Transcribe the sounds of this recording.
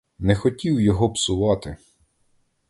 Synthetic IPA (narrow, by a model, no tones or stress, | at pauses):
nɛxɔtʲiwjɔɦɔpsʊʋɑt̪ɪ